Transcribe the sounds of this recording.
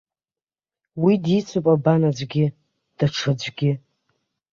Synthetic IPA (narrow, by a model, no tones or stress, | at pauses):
widit͡sʷʰɨpʼabanad͡ʒʷɡʲɪ | d̥aʈ͡ʂʰɨd͡ʒʷɡʲɪ